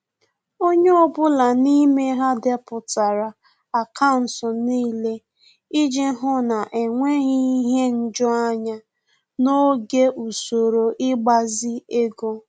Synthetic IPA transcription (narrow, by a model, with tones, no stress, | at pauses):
o˦ɲe˦ɔ˦bʊ˦la˨ni˦me˦ɦa˦de˦pʊ˨ta˨ɾa˨ | a˨kʰa˦˨n̩˨sɔ˨niː˦le˦ | i˦d͡ʒe˦ɦʊ˦na˨ʔe˨ŋʷe˦ɣi˦ɦe˦n̩˦d͡ʒɔ˦a˦ɲa˦ | no˦ɡe˦ʔu˨so˨ɾo˨ʔɪ˦ɡ͡ba˨zɪ˦e˦ɡo˦